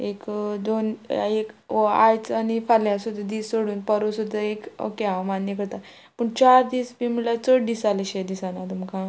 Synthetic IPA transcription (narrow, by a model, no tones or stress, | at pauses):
ekd̪oneka̰jt͡sanifaljasud̪ʱːəd̪iːsoɽuːnpəɾosud̪ʱːəeko̰keamanjəkəɾt̪a | pəɳt͡ɕaɾd̪iːsbimilat͡səʈɖ̪isaliɕed̪isanat̪umkʰã